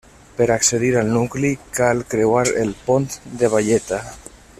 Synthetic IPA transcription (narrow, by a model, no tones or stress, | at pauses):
peɾakseðiɾalˠnuklikalkɾewaɾḛlpont̪d̪eβ̞aʎet̪a